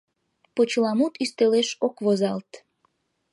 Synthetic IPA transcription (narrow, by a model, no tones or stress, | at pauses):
pot͡ɕlɑmut̪yst̪eleʃokβozɑlt̪